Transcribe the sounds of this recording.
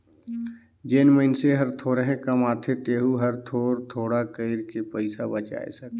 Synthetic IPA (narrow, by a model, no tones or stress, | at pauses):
d͡ʒeːnməɪnseɦəɾt̪ʰoːɾeɦẽkəmaːt̪ʰet̪eːɦuɦəɾt̪ʰoːɾt̪ʰoːɽakəɪɾkepəɪsabət͡ʃa̰ːḛsək